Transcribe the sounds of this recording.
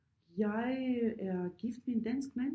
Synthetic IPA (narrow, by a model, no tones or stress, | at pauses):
jaɪɛɐɡ̥iftmindɛnskmɛn